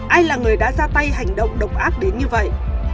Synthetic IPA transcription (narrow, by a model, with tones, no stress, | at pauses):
ʔaː˧jlaː˨˩ŋɨ˨˩əjɗa̰ː˧˥zaː˧t̪a˧jɦa˨˩jŋ̟ɗə̰˧˨wŋ͡mɗə˨˩wk͡p̚ʔaː˦˥k̚ɗe˨˦nɲɨ˧və̰˧˨jʔ